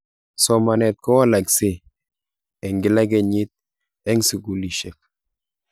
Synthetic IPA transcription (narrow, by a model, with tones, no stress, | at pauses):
sɔ˨ma˨nɛ˨t̪̚kɔ˦wa˦la˨kse˦ | ɛ˨ŋɡɪ˨la˦ɡɛ˦˨ɲi˦t̪̚ | ɛ˦ŋsi˨ɡu˨li˨ʃɛ˨k̚